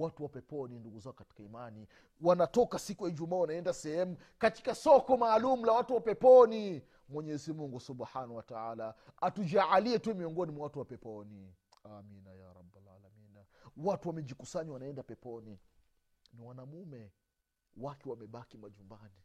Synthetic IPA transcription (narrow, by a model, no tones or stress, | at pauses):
watuwapɛpɔninduɡuzakɔkati̥kaimani | wanatɔkasikujaid͡ʒumawanaɛndasɛhɛmu | kati̥kasɔkɔmaːlumulawatuwapɛpɔni | mwɛɲɛzimuŋɡusubħanahwataala | atud͡ʒaʕaliɛtuɛmiɔŋɡɔnimwawatuwapɛpɔniaminajaɾɑbala̰laminawatuwamɛʄikusaɲwanaɛndapɛpɔni | niwanamumɛ | wakɛwamɛɓakimaʄumbani